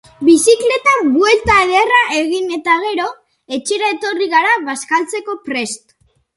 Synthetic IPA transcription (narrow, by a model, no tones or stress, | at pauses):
bisikle̞t̪abwe̞lt̪aːðeraʔe̞ɣ̞ine̞t̪aɣ̞e̞ɾo̞ | e̞t͡ʃeɾaet̪o̞riɣaɾaβaskalt͡se̞ko̞pɾe̞st̪